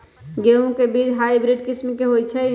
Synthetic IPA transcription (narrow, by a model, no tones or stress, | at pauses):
ɡeũkebid͡ʒɦaibɾiɖkismkeɦojt͡ʃʰɛ